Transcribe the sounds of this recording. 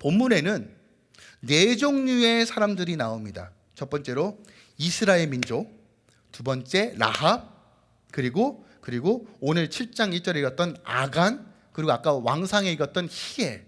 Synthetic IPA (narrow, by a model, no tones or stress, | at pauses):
pomːune̞nɯnː | e̞d͡ʑoŋɲue̞sʰaɾamdɯɾinaomɲida̰ | t͡ɕʌpp͈ʌnt͡ɕ͈e̞ɾo | isʰɯɾaeɭmind͡ʑo | tubʌnt͡ɕ͈e̞ɾa̰ɦab̚ | kɯɾiɡo | kɯɾiɡoonɯɭt͡ɕʰiɭt͡ɕ͈aŋiɭt͡ɕ͈ʌɾeiɾʌt͈̚ʌna̰ɡan | kɯɾiɡoak͈awaŋsʰaŋe̞iɾʌt̚t͈ʌnçie̞